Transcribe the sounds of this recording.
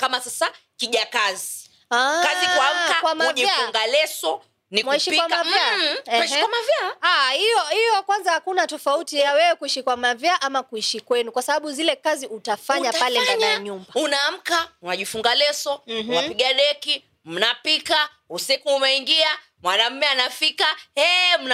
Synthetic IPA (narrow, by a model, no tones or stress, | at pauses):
kamasasakiʄakazi | akazikwam̩akwamauvʄiafuŋɡalɛsɔ | nimwaiʃipkwamkavaɛiʃikwamavjaaijɔhijɔkwanzahakunatɔfautijawɛwɛkuiʃikwamavjaʔamakuiʃikwɛnukwasaɓaɓuzilɛkaziutafaɲapalɛndakajaɲumbaunaːm̩kaunaʄifuŋɡalɛsɔunapiɡaɗɛki | m̩napika | usikuumɛiŋɡia | mwanam̩mɛanafikaɛm̩n